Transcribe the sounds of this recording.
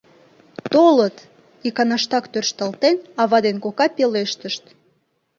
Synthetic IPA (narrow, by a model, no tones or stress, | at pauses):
t̪olət̪ | ikɑnɑʃt̪ɑkt̪ørʃt̪əlt̪enɑβɑd̪enkokɑpeleʃt̪əʃt̪